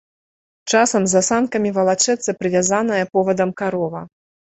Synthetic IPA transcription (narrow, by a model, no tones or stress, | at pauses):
t͡ʂasɐmzɐsankɐmʲivɐlˠat͡ʂɛt̪sːɐpɾɨvʲazan̪ɐjɐpɔvɐd̪ɐmkaɾɔvɐ